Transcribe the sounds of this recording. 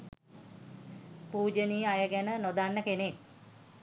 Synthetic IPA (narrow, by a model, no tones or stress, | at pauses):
puːd͡ʒəniːajəɡænənod̪anːəkenek̚